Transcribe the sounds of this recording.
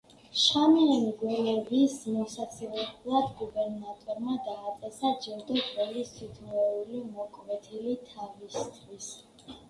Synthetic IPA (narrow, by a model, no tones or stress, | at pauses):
ʃamiɛmɡwɛlɛɾismɔsat̪sʰilɛblˠad̪ɡubɛɾnat̪ʼɔɾmad̪aːt̪ʼɛsad͡ʒɛɾd̪ɔɡʼɛlist̪ʰit̪ʰmɔulimɔkʼvɛt̪ʰilit̪ʰavist̪ʰwis